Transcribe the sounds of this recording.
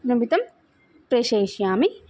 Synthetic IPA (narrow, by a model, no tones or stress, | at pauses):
nɐbit̪ɐm | pɾeʃeːʃjaːmi